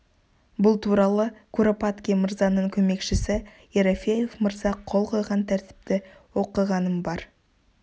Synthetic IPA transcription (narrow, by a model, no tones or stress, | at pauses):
bʊlˠt̪ʰuɾɑlˠəkʰuɾopat̪kʲiməɾzɑnəɴkʲʰɵme̞kʃɪsɪ | jeɾofʲejefməɾzɑqʰːo̞lˠqʰo̞jʁɑnt̪ʰæɾt̪ɪ̥p̚t̪ɪ | wo̞qəʁɑnəmbɑɾ